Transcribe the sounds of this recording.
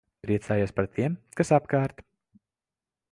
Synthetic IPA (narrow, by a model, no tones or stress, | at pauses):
pɾiɛt̪saːjuspaɾt̪ʰiɛmkasapkaːɾt̪